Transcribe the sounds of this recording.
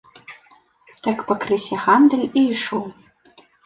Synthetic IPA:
t̪ʰakpɐkrɨsʲɛʁand̪ɨlʲiʂow

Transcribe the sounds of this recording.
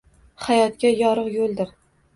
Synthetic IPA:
hajɒt̪̚kʲajɒɾɨqjolˠd̪ɪɾ

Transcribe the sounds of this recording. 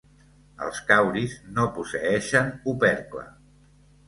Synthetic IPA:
ə̰lˠskawɾiznopusəɛʃənupɛɾklə̰

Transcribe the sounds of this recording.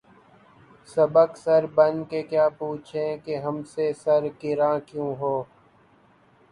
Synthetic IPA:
səbəksəɾbənkekjaːpuːt͡ʃʰẽkeɦɐmsesəɾkɪɾãːkjũːɦoː

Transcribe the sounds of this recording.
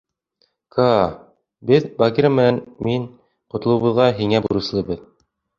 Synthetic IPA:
kʰɑ | bɘðbɑɡʲiɾəmɘ̆nænmiɴ | qŏt̪ɤ̆lˠɤ̆wβɤ̆ðʁɑɦiŋæbŭɾɤ̆slˠɤbɤð

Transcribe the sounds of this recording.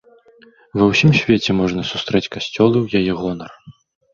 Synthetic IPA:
vɐwsʲimsʲvʲet͡sʲɛmɔʐnɐsust̪ɾɛt͡sʲkasʲt͡sʲɔlˠɨwjajɛɣɔnɐr

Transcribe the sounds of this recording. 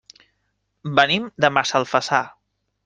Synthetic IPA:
bənimd̪əmasəlˠfəsa

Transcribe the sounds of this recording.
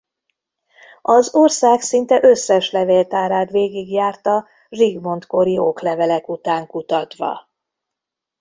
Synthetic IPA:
ɒzorsaːksint̪ɛʔøsːɛʃlɛveːlt̪aːɾaːt̪ʋeːɡiɡjaːrt̪ɒ | riɡmo̞nt̪ko̞ɾioklɛvɛlɛkut̪aːŋkut̪ɒt̪ʋɒ̰

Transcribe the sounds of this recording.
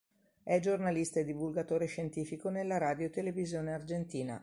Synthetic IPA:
ɛd͡ʒornalist̪aed̪ivulɡat̪oːɾeʃent̪iːfikonelːaɾaːd̪jot̪elevizjoːneard͡ʒent̪iːna̰

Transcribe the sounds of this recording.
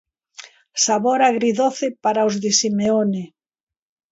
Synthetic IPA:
saβoɾaɣɾiðoθepaɾaozðesimeone

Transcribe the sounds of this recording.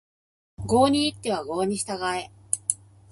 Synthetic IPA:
ɡo̞ːɲ̟iːt̪ːe̞β̞aɡo̞ːɲ̟iɕi̥t̪aɡae̞

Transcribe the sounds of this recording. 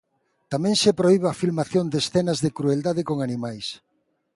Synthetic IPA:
t̪amɛ̃ŋʃepɾoiβafilmaθjond̪esθɛnɐzðekɾueld̪aðɪkoŋanĩmajs

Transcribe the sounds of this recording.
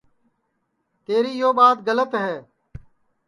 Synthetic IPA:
t̪eːɾiːjoːɓaːt̪̚ɡələt̪ɦɛː

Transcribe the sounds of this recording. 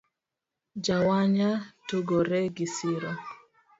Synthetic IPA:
d͡ʒawaɲatoɡoɾɛɡisiɾa

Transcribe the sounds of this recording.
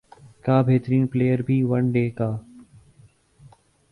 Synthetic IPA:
kaːbʱeːt̪əɾiːnpleːjəɾbʱiːʋəɳɖeːkaː

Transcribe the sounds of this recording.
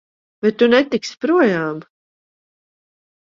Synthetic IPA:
bɛt̪̚ːunɛt̪ikspɾuɔjaːm

